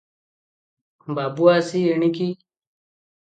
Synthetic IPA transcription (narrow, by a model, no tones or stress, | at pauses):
baːbuaːsieɳiki